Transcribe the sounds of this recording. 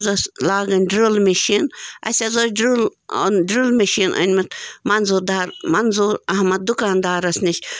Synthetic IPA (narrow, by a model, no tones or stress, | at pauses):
zɔsʲlaːɡɐnʲɖɾulmeʃiːnɐ̰sʲɐzosʲɖɾulo̰nɖɾulmɐʃiːnʔə̰nʲmit̪mɐnzuːɾd̪aːɾmɐnzuːɾɐhmɐd̪̚d̪ukaːnd̪aːɾɐsniʃʲ